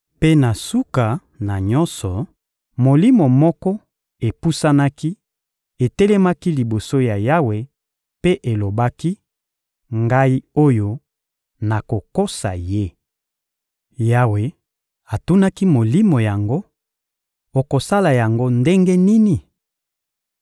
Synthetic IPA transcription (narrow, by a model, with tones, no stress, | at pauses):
pe˦na˨su˦ka˨ | na˨ɲɔ̃˦nsɔ˨ | mo˨li˦mo˨mɔ˦kɔ˦ | e˨pu˦sa˦na˦ki˦ | e˨te˦le˦ma˦ki˦li˨bo˨so˦ja˨ja˦we˨ | pe˦ʔe˨lo˨ba˦ki˦ | ŋɡa˦i˦o˦jo˦ | na˨ko˨ko˦sa˨je˦ | ja˦we˨ | a˨tu˦na˦ki˦mo˨li˦mo˨ja˨ŋɡo˦ | o˨ko˨sa˦la˨ja˨ŋɡo˦nde˦ŋɡe˦ni˦ni˨